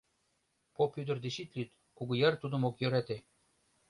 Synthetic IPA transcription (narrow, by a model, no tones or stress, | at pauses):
popjyd̪ərd̪eʃit̪lyt̪ | kuɣujert̪ud̪ə̆mokjøɾæt̪e